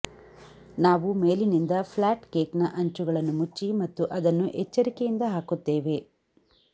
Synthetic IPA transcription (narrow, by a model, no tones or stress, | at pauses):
naːʋumeːlinind̪ɐpʰlaːʈkeːknɐʔɐɲt͡ʃuɡɐɭɐnːumut͡ʃːimɐt̪ːuʔɐd̪ɐnːuʔɛt͡ʃːɐɾikejind̪ɐɦaːkut̪ːe̞ːʋe̞